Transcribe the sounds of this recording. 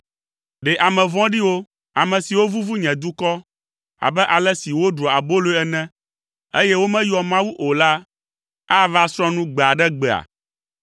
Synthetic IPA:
ɖɛ˨ʔa˨mɛ̃˨vɔ̃˦ɖi˦wo˦ | a˨mɛ̃˨si˨wo˦vu˦vu˦ɲɛ̃˨d̪u˦kɔ˦ | a̰˨bɛ˦ʔa˨lɛ˦si˨wo˦ɖɾɔ˨a˨bo˦lo˦ɛ˦nɛ̃˦ | e˦jɛ˦wo˦mɛ̃˦jɔ˨mã˦wu˦ʔo˨la˦ | a˦va˦sɾɔ̃˦nũ˦ɡ͡bɛ˨a˨ɖɛ˦ɡ͡bɛ˨a̰˨

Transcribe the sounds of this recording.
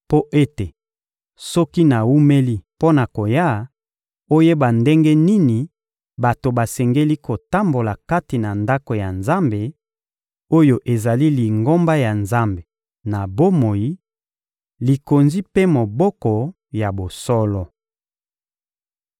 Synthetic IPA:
po˦ʔe˦te˨ | sɔ˦ki˦na˨wu˦me˦li˦po˦na˨ko˨ja˦ | o˦je˦ba˨nde˦ŋɡe˦ni˦ni˨ | ba˨to˨ba˨sɛ˨ŋɡe˦li˦ko˨ta˦mbo˨la˨ka˦ti˨na˨nda˦ko˨ja˨nza˦mbe˨ | o˦jo˦ʔe˨za˨li˦li˨ŋɡo˦mba˦ja˨nza˦mbe˨ | na˨bo˦mo˨ji˦ | li˨ko˨nzi˦pe˦mo˨bɔ˦kɔ˨ | ja˨bo˨sɔ˦lɔ˦

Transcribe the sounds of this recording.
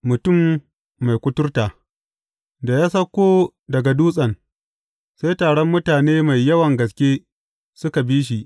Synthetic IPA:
mʊ˨tʊ˦˨mː | a˨jkʷʊ˦tʊ˦rtaː˨ | da˨jaː˦sɐ˦kʷːoː˦ | dɐ˨ɡa˨duː˦sʼɐ˨n | sa˦jtaː˨ɽɔ˦mːʊ˦taː˨neː˦ma˨jːɐ˦wɐ˨ŋɡɐ˨skʲeː˦ | sʊ˦ka˨biː˦ʃ̬i˨ʔ

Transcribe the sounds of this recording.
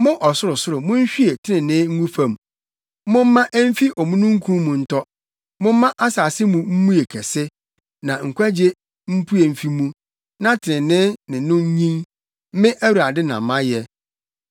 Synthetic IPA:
mʊ̃˦ʔɔ˨sʊ˦ɾʊ˨sʊ˦ɾʊ˨mʊ̃˦ɲ̩˦ɕᶣi˦e˨tʰɪ˦nɪ̃˨nɪ̃˦ŋ̩˦ɡũ˦fã˨m˨ | mʊ̃˦m̩ː˦ã˦ʔæ˦m̩˦fi˦ʔɔ˨mũ˦nũ˦ŋ̩˦kʰũ˦mũ˨n̩˦tʰɔ˦ | mʊ̃˦m̩˦mã˦ʔa˦saː˨sɪ˦mũ˨m̩˦mũ˦e˨kʰɛ˨sɪ˦ | nã˨ŋ̩˨kʷʰæ˦d͡ʑe˦ | m̩˦pʰu˦e˨m̩˨fi˦mũ˦ | nã˦tʰɪ˨nɪ̃˨nɪ̃˦nɪ̃˨˦nʊ̃˦ɲ˦ɲĩ˦ŋ˦ | mɪ̃˦ʔæ˦wu˨˦a˨dɪ˦nã̰˨m˨mːã˦jɛ˨

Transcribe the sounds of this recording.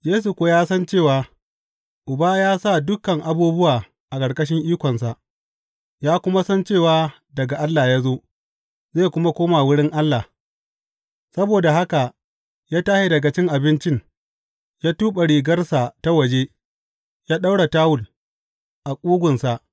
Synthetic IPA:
jeː˦s̬u˨kʷoː˨jaː˦sɐ˦nt͡ʃeː˦˨waː˨ | ʔʊ˨baː˦jaː˦sa˦˨dʊ˦kɐ˨ŋʔa˨buː˦bʊ˦waː˨ | ʔa˨kʼɐ˨ɽkʼɐ˦ʃ̬ɪ˦ŋʔiː˦kʷɔ˨nsa˨ʔ | jaː˦kʷʊ˦ma˦sɐ˦nt͡ʃeː˦˨waː˨ | dɐ˨ɡa˨ʔa˦lːa˨jaː˦zoː˦ | zeː˦˨kʷʊ˦ma˦kʷoː˦ma˨wʊ˦ɽɪ˦ŋʔa˦lːa˨ | sɐ˦boː˨da˨ɦa˦ka˨ | jaː˦taː˦hi˦dɐ˨ɡɐ˨t͡ʃɪ˦ŋʔa˨bɪ˦nt͡ʃɪ˦ŋ | jaː˦tuː˦ɓa˨ɽiː˨ɡɐ˦rsa˨ta˦wɐ˨d͡ʒe˦ | jaː˦ɗa˦wɽa˨taː˦wʊ˨l | ʔa˨kʷʼuː˦ɡʷʊ˨nsa˨ʔ

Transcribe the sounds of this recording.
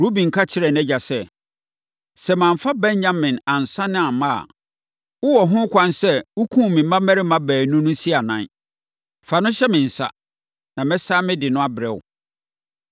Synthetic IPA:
ɾu˦bĩ˨ŋ̩˨kʰa˦t͡ɕʰɪ˦ɾɛ˨nɛ˦d͡ʑa˨sɛ˦ | sɛ˨mãː˨ɱfa˦bɛ̃˦ɲ˦ɲã˦mːɪ̃˨nã˨n˨sã˦nɪ̃˦a˨mã˦a̰˨ | ʊ˦wɔ˨ɦʊ̃˦kʰʷã˦nsɛ˦ʊ˦kʰũ˦˨mɪ̃˨mã˦mɛ˦ɾɪ˦mã˦bæː˨nũ˦nʊ̃˦si˦a˨nã˦n˦ | fa˨nʊ̃˦ɕɛ˦mɪ̃˨n̩˨sa̰˦ | nã˨mɛ̃˦saː˦mɪ̃˦dɪ˨nʊ̃˦a˦bɪ˨ɾɛ˨wʊ̰˨

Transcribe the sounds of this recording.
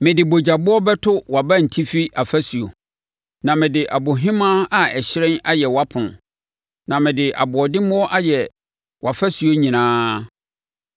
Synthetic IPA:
mɪ̃˨dɪ˨bo˨d͡ʑa˨bʊ˦ɔ˦bɛ˦tʰʊ˦wa˨ba˦n̩˨tʰi˦fi˦ʔa˨fæ˦su˨o̰˨ | nã˨mɪ̃˨dɪ˨ʔa˨bo˨ɦɪ̃˦mã˦a˦ɛ˨ɕɪ˦ɾɛ̃˦na˦jɛ˨wa˦pʰʊ̃˨n˨ | nã˨mɪ̃˨dɪ˨ʔa̰˨bʊ˨ɔ˨dɪ̃˦mʊ̃˦ɔ˦ʔa˦jɛ˨ | wa˨fæ˦su˨o˦ɲĩ˨nãː˦

